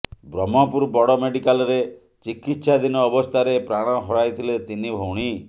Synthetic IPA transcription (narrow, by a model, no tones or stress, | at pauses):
bɾɔmɔpuɾbɔɽɔmeɽikalɔɾe | t͡ʃikit̪ːsad̪inɔːbɔst̪ʰaɾepɾaɽ̃ɔɦɔɽajt̪ʰilet̪inibʱowɽ̃i